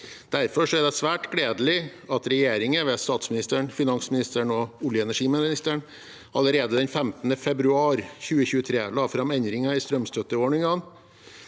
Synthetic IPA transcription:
d̪̥æɾfɔʂɔæd̪ɛsʋæːʈɡɽeːd̪əlɪ | ɑt̪ɾɛjeːɾɪŋəʋɛst̪ɑːt̪smɪnɪst̪əɳfɪnɑnsmɪnɪst̪əɳɔʊljəɛnæʂiːmnɪst̪əɳ | ʔɑləɾeːd̪əd̪ɛnfɛmt̪nəfɛbɾʉɑːɾçʉːəçʉːət̪ʰɾeːlɑːfɾɑmɛnd̪ɾɪŋɑɪst̪ɾœmst̪ʰœt̪ːəoːɳɪŋɡɑn

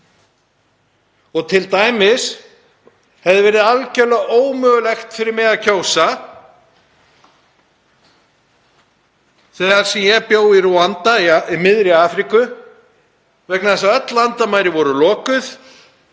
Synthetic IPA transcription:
ɔɣt̪ʰɪlt̪aːjmɪs | hɛvðɪvɛːɾɪðalcɛlœɣoːwmœɣʏlɛxt̪fɪɾɪɾmɛːɣacʰoːwsa | θɛːɣaɾ̥sɛmjɛpjoːwiruant̪aiimɪðɾɪaːfɾikʏ | vɛknaðɛsaœt̪lant̪amaːjɾɪvɔɾʏlɔːkʏθ

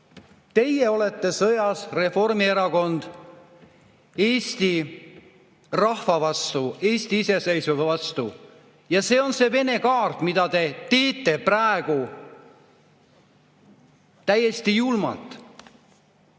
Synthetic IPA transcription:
t̪e̞jeo̞le̞t̪ːe̞sɤjɑsre̞fo̞rmieɾɑko̞nd̪̥ | e̞ːsʲt̪i | rɑhfɑvɑst̪ue̞ːsʲt̪iise̞sejsuvvɑst̪u | jɑse̞ːo̞nse̞ve̞ne̞kɑːrt̪mid̪̥ɑt̪e̞t̪e̞ːt̪ːe̞præeɡ̥u | t̪æjːe̞st̪ijulmɑ̰t̪ːˑ

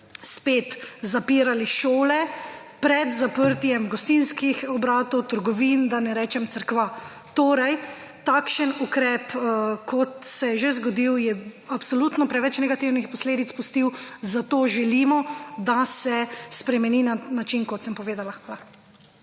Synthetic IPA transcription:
speːt̪zapiːɾaliʃoːlɛ | pɾɛd̪zapəɾt̪jɛmɡɔst̪inskixɔbɾaːt̪ɔwt̪əɾɡɔʋind̪anɛɾɛːt͡ʃɛmt̪səɾkʋa | t̪oːɾajt̪aːkʃənukɾɛːpkɔt̪sɛjɛʒezɡɔd̪iwjɛapsɔlut̪nɔpɾɛʋɛt͡ʃnɛɡat̪iwnixpɔsleːd̪it̪spust̪iwzat̪oːʒɛlimɔd̪asɛspɾɛmɛninanat͡ʃinkɔt̪səmpɔʋeːd̪alala

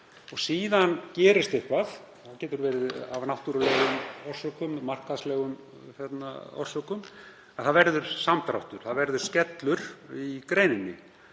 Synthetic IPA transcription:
ɔɣsiːðancɛːɾɪɾ̥st̪ɪhpaθ | θaðcɛːt̪ʏɾvɛːɾɪða̰vnawht̪uɾalɛːɣʏmɔr̥sœkʏmmar̥kaðslɛːɣʏm | θjɛt̪na̰ɔ̰r̥sœkʏm | aθaðvɛɾðʏɾ̥samt̪ɾawht̪ʏɾ̥θaðvɛɾðʏɾ̥scɛt̪lʏɾ̥ikɾeːjnɪnːɪ

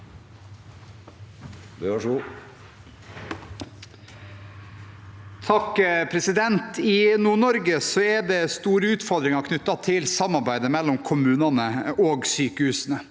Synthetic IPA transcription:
bøʂu | t̪ʰɑkpʰɾɛsɪd̪ɛnt̪ɪnuːɳɔɾɡəsɔɛɖ̪ɛst̪uːɾəʉːt̪fɔɾd̪ɾɪŋɑkʰnʏt̪ːɑt̪ʰɪlsɑmːɑɾbæɪd̪əmɛlːɔmkʰʊmʉːnɑnəoːɡsyːkəhʉːsən̩ə

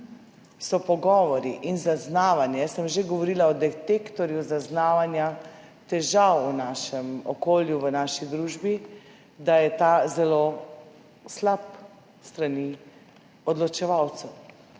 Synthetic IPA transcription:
sɔpɔɡɔːʋɔɾiʔinzaznaːʋanjɛsəmʒeɡɔʋɔɾilaɔd̪ɛt̪ekt̪ɔɾjuzaznaːʋanja | t̪ɛʒawunaʃɛmɔkoːljuʋənaʃid̪ɾuːʒbi | d̪ajɛt̪azɛlo | slap̚ | st̪ɾani | ɔd̪lɔt͡ʃɛʋawt̪sɛw

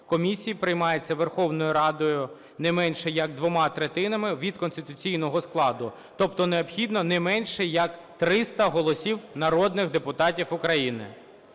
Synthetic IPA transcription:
kɔmʲisʲijipɾɪjmɑjet͡sʲːɐʋerxɔwnɔjʊɾɑd̪ɔjʊ | nɛmɛnʃɛjɐɡ̚d̪ʋɔmɑt̪ɾet̪ɪnɐmɪʋʲid̪kɔnst̪ɪt̪ʊt͡sʲijnɔɦɔsklˠɑd̪ʊ | t̪ɔpt̪ɔneɔpxʲid̪nɔnɛmɛnʃɛjɐkt̪ɾɪst̪ɐɦɔlˠɔsʲiwnɐɾɔd̪nɪxd̪epʊt̪ɑtʲiwʊkɾɐjinɪ̰

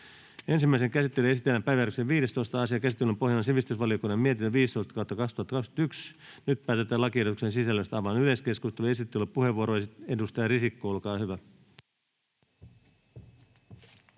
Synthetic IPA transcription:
e̞nsimːæiseŋkæsit̪ːelyesit̪ːˑelːæmpæjʋæjæɾykseʋʋiːɾe̞st̪oist̪ɑɑsiɑkæsit̪ːelːympo̞hjɑlɑnsiʋist̪ysʋɑlio̞kunːɑmiet̪inːøʋiːst̪o̞ist̪ɑ̥koht̪ːɑkɑkst̪uhɑt̪ːɑkɑkst̪yks | nyt̪̚pæːt̪et̪ːˑæːlɑkiedt̪uksensisælːøst̪ɑʋɑnyleske̞skust̪elues̬it̪ːelːeppuheʋuoɾoesedust̪ɑjɑrisikːoolkɑːhyʋæ

